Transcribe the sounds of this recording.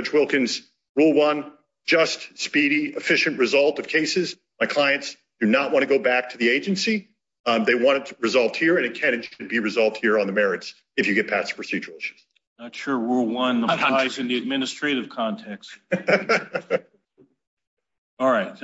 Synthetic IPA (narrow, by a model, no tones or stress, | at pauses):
t͡ʃwɪlˠkɨ̃nz̥ | ɹulˠwʌ̃n̥ | d͡ʒʌstspiɾiɨfɪʃɨ̃nʔɹɨzʌlˠtʌv̥kʰeɪsɨz | maɪkʰl̥aɪɨ̃nts | d̥ɨnət̚wɑ̃ɾ̃ʰɨɡoʊbæk̚tʰɨðieɪd͡ʒɨ̃nsi | ðeɪwɑ̃ɾ̃ɨtɹɨzɑlˠvd̚hiɹɨ̃nɨkʰæ̃ñɨ̃nʃɨd̚biɹɨzɑlˠvd̚hiɹə̃nðɨmɛɹɨts | ɨfjɨɡɛt̚pʰætspʰɹ̥ɨsid͡ʒə˞l̩ˠʃɨ̥z̥ | ntʃʊɹɹulˠwʌ̃nəaɪzɨ̃nðiɨd̚mɪnɨstɹ̥eɪɾɨv̥kʰɑ̃ntʰɛks | ɔlˠɹaɪt̚